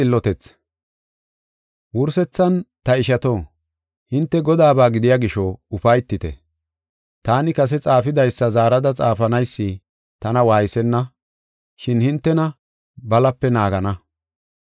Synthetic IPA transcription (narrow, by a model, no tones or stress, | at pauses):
ɪlːɔt̪ɛt͡s | wʊɾsɛt͡sːɐnt̪ɐɪʃɐt̪oː | hɪnt̪ːɛɡɔd̪aːbaːɡɪd̪ɪjaːɡɪʃɔʊfɐjt̪ːɪt̪ɛ̰ | t̪aːnɪkɐs̬ɛt͡sʼaːfɪd̪ɐjsːɐzaːɾɐd̪ɐt͡sʼaːfɐnɐjsːi | t̪ɐnɐwaːjɪsɛnːɐ | ʃɪnhɪnt̪ːɛnɐ | bɐlɐpːɛnaːɡɐnɐ